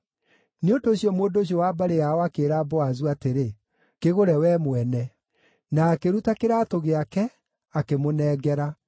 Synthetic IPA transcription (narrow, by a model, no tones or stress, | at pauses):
neondoːɕijɔmoːndoːɕ̬iɔwaːbaɾejaɔakeːɾaːbɔazuateɾe | keɣoɾɛwɛmwɛnɛ | naːkeɾutakeɾatoɣeakɛ | akemonɛːɡɛɾa